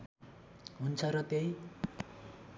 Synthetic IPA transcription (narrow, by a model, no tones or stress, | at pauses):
ɦunt͡sʰʌɾʌt̪ej